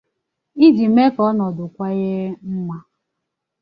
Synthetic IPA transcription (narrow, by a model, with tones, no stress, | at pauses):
i˦di˨me˦kɔ˦nɔ˨dʊ˨kʷa˦ɣe˦m̩˦ma˦